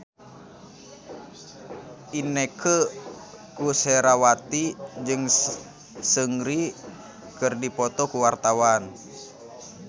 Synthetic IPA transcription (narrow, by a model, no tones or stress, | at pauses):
ʔinekʰə | kusɛɾawat̪id͡ʒɨŋ | səŋɾi | kɨrdipɔt̪ɔkuwart̪awan